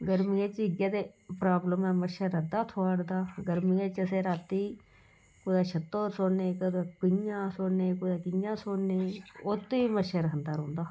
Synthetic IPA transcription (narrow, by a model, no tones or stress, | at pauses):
ɡəɾmiẽːt͡ʃɪɡjaːd̪eːpɾaːbləmɛːməʃəɾəd̪aːt̪ʰoaːɽd̪aːɡəɾmiːẽːt͡ʃəseːɾaːt̪iː | kod̪aːt͡ʃʰət̪ːoːɾsoːneːkəd̪aːkʊjãːsoːneːkʊd̪aːkɪjãːsoːneːot̪eiːməʃəɾəɦənd̪aːɾõːnd̪aː